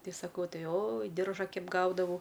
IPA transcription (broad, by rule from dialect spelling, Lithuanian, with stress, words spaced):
ˈtʲɛɪ sɐˈkɐʊ ˈtɐɪ oːj ˈdʲɪrʒɐ ˈkʲɛɪp ˈɡɐʊdɐʋɐʊ